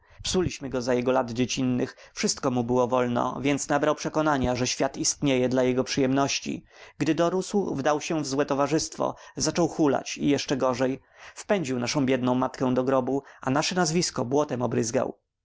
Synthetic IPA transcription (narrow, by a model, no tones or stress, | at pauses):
psulʲiɕmɘɡɔzajɛɡɔlad̪d͡ʑet͡ɕinːɘx | fʂɘst̪̚kɔmubɘwɔvɔlnɔ̰vʲjɛnt̪snabɾawpʂɛkɔnaɲaʐɛɕfʲjat̪ist̪ɲejɛd̪lajɛɡɔpʂɘjɛmnɔɕt͡ɕḭɡd̪ɘd̪ɔɾuswvd̪awɕɛvzwɛt̪ɔvaʐɘst̪fɔ̰zat͡ʂɔwxula̰t͡ɕḭjɛʂt͡ʂɛɡɔʐɛj | fpɛɲd͡ʑiwnaʂɔ̃w̃bʲjɛd̪nɔ̃w̃mat̪kɛ̃w̃d̪ɔɡɾɔbuanaʂɛnazvʲiskɔbwɔt̪ɛmɔbɾɘzɡa̰w